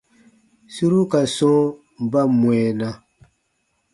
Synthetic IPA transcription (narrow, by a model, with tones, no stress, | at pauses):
su˦ɾu˦ka˨sɔ̃˦ | m˨ba˦mwɛ˨na˨